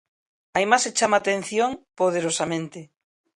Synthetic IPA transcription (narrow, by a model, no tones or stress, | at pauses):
ajmaset͡ʃamat̪ẽn̟θjõŋpoð̞eɾosamẽnt̪e